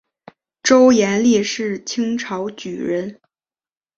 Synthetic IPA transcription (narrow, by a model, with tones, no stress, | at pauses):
ʈ͡ʂo˥ʊjɛ˧˥nli˥˧ʂɻ̩˥˩t͡ɕʰi˥ŋʈ͡ʂʰɑ˧˥ʊt͡ɕy˨˩ɻə˧˥n